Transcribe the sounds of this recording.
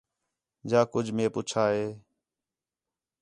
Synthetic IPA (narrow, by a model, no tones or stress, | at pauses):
d͡ʒaːkʊd͡ʒʱmẽːpuːt͡ʃʰaːɦeː